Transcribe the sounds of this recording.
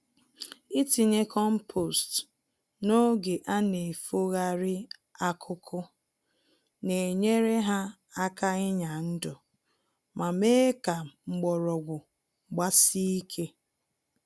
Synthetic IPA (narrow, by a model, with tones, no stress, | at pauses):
i˦ti˨ɲe˦kʰɔ˦m̩˦pʰo˨st | no˦ɡe˨ʔa˦ne˨fo˦ɣa˦ɾɪ˦a˦kʰʊ˦kʰʊ˦ | ne˨ɲe˦ɾe˦ɦa˦ | a˦ka˦ɪ˦ɲa˨n̩˦dɔ˨ | ma˨me˦ka˨ŋ͡m̩˨ɡ͡bɔ˨ɾɔ˨ɡʷʊ˨ | ɡ͡ba˦si˦i˦kʰe˦